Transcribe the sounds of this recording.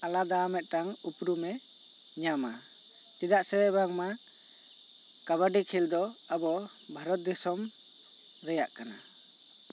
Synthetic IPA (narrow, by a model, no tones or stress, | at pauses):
alad̪aamɛt̪̚ˀʈaŋupɾumɛ | ɲama | t̪id̪aʔsɛbɛbaŋma | kaβaɖikʰild̪ɔabɔ | bʱaɾɔt̪̚d̪isɔm | ɾɛjaʔkana